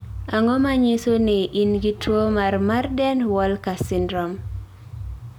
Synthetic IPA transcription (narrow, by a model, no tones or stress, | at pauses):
aŋɔmaɲisoneʔinɡitwomarmardɛnwɔlkasɪndɾɔm